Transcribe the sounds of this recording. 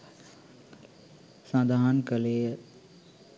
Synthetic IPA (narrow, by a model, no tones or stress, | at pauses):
sãːd̪ʱaɦənkəle